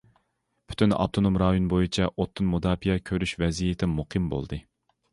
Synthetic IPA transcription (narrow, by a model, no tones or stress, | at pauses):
pʰy̥t̪ʰynɑ̰b̚t̪ʰonomɾɑːjonbojit͡ʃʰɛʔot̪ʰːɨnmud̪ɑːpijɛkʲʰøɾyʃvɛzijet̪ʰɪmuqʰɨmbo̰lˠd̪ɨ